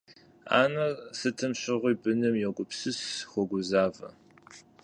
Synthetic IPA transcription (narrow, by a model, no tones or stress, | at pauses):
a̰ːnɐsɨtʰɐmɕɪʁʷiːbɨnɨmjɛɡʷʊpsɨsxʷɔɡʷʊzaːvɐ̰